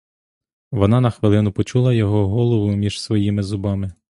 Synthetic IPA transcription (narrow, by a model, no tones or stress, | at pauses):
ʋɔnɑnɐxʋɪlˠɪnʊpɔt͡ʃulˠɐjɔɦɔɦɔlˠɔʋʊmʲiʒ̥sʋɔjimɪzʊbɑmɪ